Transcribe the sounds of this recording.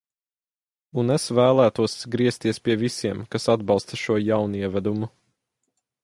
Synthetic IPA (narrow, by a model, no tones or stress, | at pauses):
unesvæːlˠæːt̪uɔsɡɾiɛst̪iɛspʲiɛvisiɛmkasad̪bɑlˠst̪ɐʃuɔjawnuiɛvæd̪umu